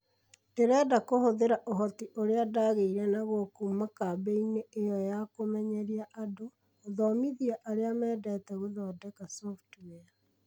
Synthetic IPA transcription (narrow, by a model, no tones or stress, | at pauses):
deɾɛːdakohoðeɾaʔoɦɔtiʔoɾeadaɣeiɾɛnaɣokumakabeineːjɔjakomɛɲɛɾiaʔadoː | ðɔmiðiaʔaɾeamɛːdɛtɛɣuðɔdɛkasɔftuwɛa